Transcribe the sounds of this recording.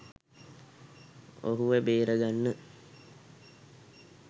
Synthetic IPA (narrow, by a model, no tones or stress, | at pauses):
o̰ɦuʋebeːɾəɡanːə